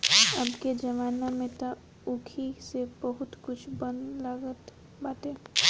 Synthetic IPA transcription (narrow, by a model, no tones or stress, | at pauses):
ɐbked͡ʒɐʋaːnamẽt̪a | ʊkʰisebəɦʊt̪kʊt͡ʃʰbənd̪laɡət̪ | baːt̪ẽː